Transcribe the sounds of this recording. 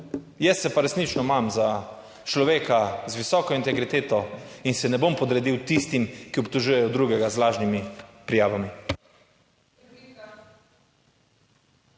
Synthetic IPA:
jɛsɛpaɾɛsnit͡ʃnɔmamza | t͡ʃlɔʋeːkazʋisɔːkɔint̪ɛɡɾit̪eːt̪ɔinsɛnɛbompɔd̪ɾɛd̪iwt̪ist̪imkiɔpt̪ɔʒujɛjɔd̪ɾuːɡɛɡazlaːʒnimipɾijaːʋami

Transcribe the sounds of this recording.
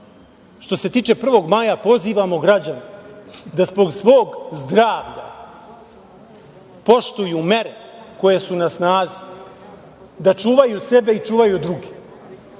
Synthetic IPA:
ʃt̪o̞se̞t̪iːt͡ʂe̞pr̩ʋo̞ɡmajapo̞ziːʋamo̞ɡɾad͡ʑaned̪azbo̞ɡsʋo̞ːɡzd̪ɾaːʋʎa | po̞ʃt̪ujume̞ɾe̞ko̞je̞sunasnaːzi̥ | d̪at͡ʂuːʋajuse̞beit͡ʂuːʋajud̪ɾuɡe̥

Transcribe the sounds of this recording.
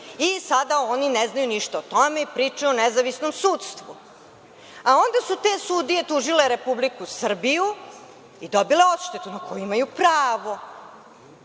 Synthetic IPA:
isad̪aonineznajuniʃt̪aot̪o̞me̞ipɾit͡ʂajuonezaʋisnomsuːt̪st̪ʋu | ao̞nd̪asut̪e̞sud̪ije̞t̪uʒileɾepublikusr̩biju | id̪obileo̞t̪ʃt̪et̪unakojuimajupɾaːʋo̞

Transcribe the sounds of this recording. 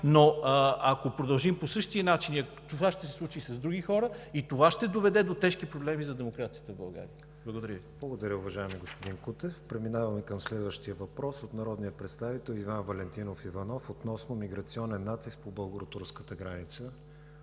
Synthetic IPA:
noɐkopɾod̪ɐlˠʒimposɤʃt̪iənat͡ʃiniɐ | t̪ovaʃt̪ɛsɛslˠut͡ʃisɐzd̪ɾuɡixɔɾəit̪ovaʃt̪ɛd̪ovɛd̪ɛd̪ot̪ɛʃkipɾoblɛmizɐd̪ɛmokɾat̪sijət̪əvbɐlˠɡa̰ɾḭə | blˠɐɡod̪ɐɾəvi̥lˠɐɡod̪ɐɾʲəʊvɐʒaɛmiɡospod̪inkut̪ɛfpɾɛminavɐmɛkəmslɛd̪vəʃt̪iəvɐpɾɔsot̪nɐɾɔd̪nijəpɾɛt̪st̪avit̪ɛlˠivanvɐlɛnt̪inofivɐnɔfot̪nɔsnomiɡɾɐt̪siɔnɛnːat̪isk̚pobəlˠɡoɾot̪uɾskət̪əɡɾanit̪sə

